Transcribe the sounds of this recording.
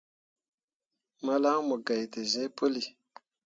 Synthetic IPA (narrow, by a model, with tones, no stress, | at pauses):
mə˦la˦ŋmə˨ɡa˨jtə˨ze˦pə˦li˨